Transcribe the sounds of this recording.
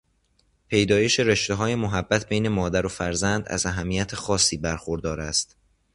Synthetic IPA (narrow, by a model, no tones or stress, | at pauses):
pʰe̞jd̪ɒːje̞ʃe̞ɾeʃt̪eɦɒːjemoɦæbːæt̪ʰbejne̞mɒːd̪æɾo̞fæɾzænd̪æ̰zæɦæmːijæt̪ʰexɒːsːiːbæɾxoɾd̪ɒːɾæst̪